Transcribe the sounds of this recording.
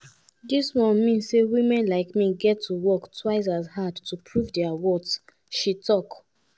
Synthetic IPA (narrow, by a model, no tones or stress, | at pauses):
diswɔ̃nmĩnsːewĩmɛ̃nlaɪkmiɡɛtʰːuwɔktwaɪs̬ashadtupʰɹuvdɛawɔds | ʃitɔk